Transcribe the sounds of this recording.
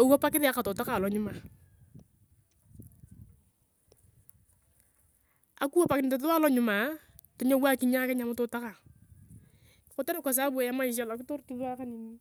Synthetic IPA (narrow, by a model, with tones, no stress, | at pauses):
o˨wa˦pa˦kɪ˦ðɪ˦a˦ka˨tɔ˨ta˦ka˨lɔ˨ɲʊ˦ma˨ | a̰˨ku˦a˦pa˨kɪ˨nɪ˨ta˨ta˦lɔ˦ɲʊ˨ma˨tɔ˦ɲo˦wa˦kɪ˦ɲa˦kɛ˦ɲa˨mʊ˦tɔ˨ta˦ka˨ | kʊ˨˦ta˦na˦˨ka˨s̬a˦bu˦ɛ˨ja˦ma˦ɪ˨ʃ̬a˨lɔ˨kɪ˦tɔ˦ɾtu˦ða˦ka˦ni˨ni˦